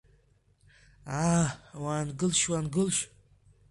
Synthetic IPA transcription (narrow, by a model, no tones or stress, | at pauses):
awanɡɨlʃwanɡɨlʃ